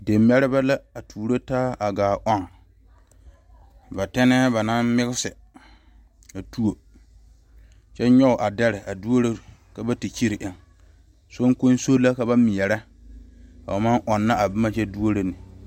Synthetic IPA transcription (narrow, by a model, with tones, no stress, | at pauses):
de˨mː˦ɛ˦ɾɪ˦ba˦la˦a˨tʰuː˨ɾo˦taː˦a˨ɡaː˨ʔɔ˦ŋ | ba˨tɛ˦nɛː˦ba˨na˦mmɪ˦ɣɪ˦sɪ˨ | a˨tu˦o˨ | t͡ʃɛ˦ɲɔ˦ʊ˨ʔa˨dɛ˦ɾɪ˨ʔa˨du˦o˦ɾe˦ka˦ba˦ti˨t͡ʃi˦ɾɪ˨ʔɪ˨ŋ | so˦ŋko˦n˦so˦la˦ka˦βa˦mɪ˨jɛ˨ɾɛ˦ | a˨a˨ma˦nʔɔ˨nːa˦ʔa˨bɪ˦ma˨t͡ʃɛ˦du˦o˦ɾe˦nɪ˨